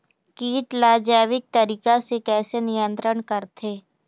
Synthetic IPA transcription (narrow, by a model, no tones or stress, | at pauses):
kiːʈlaːd͡ʒaːʋɪk̚t̪ɐɾiːkasekɛːsenɪjə̃nt̪ɾəɳkəɾt̪ʰeː